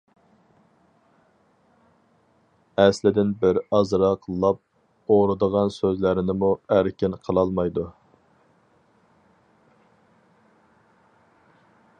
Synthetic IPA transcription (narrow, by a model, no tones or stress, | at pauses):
ɛslɪd̪ɪnbɪɾɑzɾɑqʰəlˠːɑp̚ | oɾɨd̪əʁɑnsøzlɪɾɪnɪmuæɾkʲɪnqʰəlˠɑlˠmɑjd̪u